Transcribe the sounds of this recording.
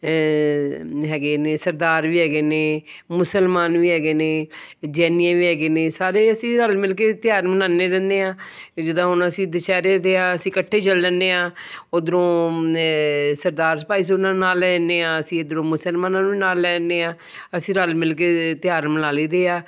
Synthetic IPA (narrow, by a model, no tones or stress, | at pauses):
ɦɛːɡeːneːsəɾd̪aːɾʋiːɦɛːɡeːneːmʊsəlmaːnʋiːɦɛːɡeːneːd͡ʒɛːniãːʋiːɦɛːɡeːneːsaːɾeːəsĩːɾəlmɪlk̬eːt̪ɪjaːɾmənãːneːɾɛ̃ːnd̪eːãːd͡ʒɪd̪ãːɦʊnəsĩːd̪ɪʃɛːɾeːd̪eːaːəsĩːkəʈʰːeːt͡ʃəllɛ̃ːnd̪eːãːod̪əɾõː | səɾd̪aːɾsəpaːiːs̬ʊnãːnaːlɛːneːãːəsĩːd̪əɾõːmʊsəlmaːnãːnuʋiːnaːlːɛːndeːãː | əsĩːɾəlmɪlk̬eːt̪ɪjaːɾmənaːliːd̪eːaː